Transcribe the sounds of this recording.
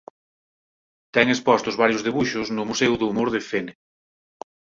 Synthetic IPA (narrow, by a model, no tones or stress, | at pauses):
t̪ɛŋespɔst̪ʊzβaɾjʊzðeβuʃʊznʊmusɛwðʊːmoɾðefene